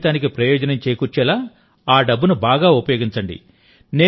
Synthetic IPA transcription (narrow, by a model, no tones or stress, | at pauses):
t̪aːnik̬ipɾɐjoːd͡ʒɐnɐmt͡ʃeːjkuɾt͡ʃɛːlaː | aːɖɐbːunubaːɡaːupɐjo̞ːɡiɲt͡ʃɐɳɖḭ | neː